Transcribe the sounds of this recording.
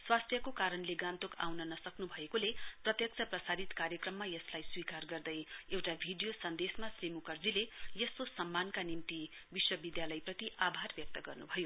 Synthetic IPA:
swast̪ʰjʌkokaɾʌnleɡãnt̪okʰa̰wnʌnʌsʌknubʱʌekoleprʌt̪jʌk̚t͡sʰʌprʌsaɾit̪kaɾjʌkrʌmːajʌslajswikarɡʌrd̪ʌjewʈabʱiɖijosʌnd̪esmasrimukʌrd͡zilejʌskosʌmːankanimt̪i | biswʌbid̪jalʌjprʌt̪iʔabʱarbjʌk̚t̪ʌɡʌrnubʱʌjo

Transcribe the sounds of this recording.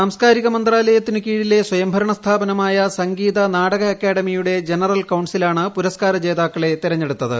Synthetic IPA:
saːmskaːɾiɣɐmɐnd̪raːlɐjɐt̪ːinɨkiːɻile̞swɐjɐmbʱɐɾɐɳɐst̪ʰaːbɐnɐmaːjɐsɐŋɡiːðɐnaːɽɐɣɐɐkːaːɽɐmijuɽe̞d͡ʑenɐrɐlkɐwɳsilaːɳɨpuɾɐskaːɾɐt͡ɕe̞ːðaːkːɐɭe̞t̪iɾɐɲːeɽut̪ːɐðɨ̰

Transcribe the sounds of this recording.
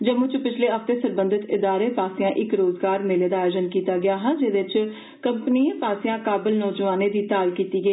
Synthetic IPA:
d͡ʒəmʊ̃t͡ʃpɪt͡ʃʰleːəft̪eːsəɾbə̃nd̪ɪt̪ɪd̪aːɾeːpaːsɪãːʔɪkɾoːzɡaːɾmeleːd̪aːjoːd͡ʒənkiːt̪aːɡɪaːɦənd͡ʒɪːd̪ɪt͡ʃ | kəmpniːẽːpaːsɪjãːkaːbɪlnɔːd͡ʒʋaːneːd̪iːt̪aːlkiːt̪iːɡəiː

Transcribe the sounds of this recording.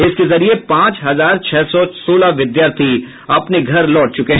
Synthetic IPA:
ɪskezɐɾiepãːt͡ʃɦɐzaːɾt͡ʃʰɛːsɔsoːlaʋɪd̪jaːɾt̪ʰi | ɐpneɡʱɐɾlɔːʈ̚t͡ʃʊkeɦ

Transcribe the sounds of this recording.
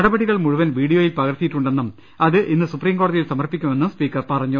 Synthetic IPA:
ɐɽɐbɐɽiɣɐɭmuɻuʋɐnʋiːɽijoːjilpɐɣɐrt̪ːijiʈːuɳɖenːɐm | ɐðɨʔinːɨsupriːmɡoɽɐðijilsɐmɐrpikʲːume̞nːumspiːkːɐrpɐrɐɲːu

